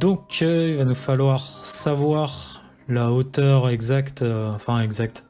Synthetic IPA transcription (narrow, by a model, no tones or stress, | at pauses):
d̪ɔ̃kʰilvanufalwaʁsavwaʁ | laot̪œʁɛɡzakt̪ɑ̃fɛ̃ɛɡzak̚t̪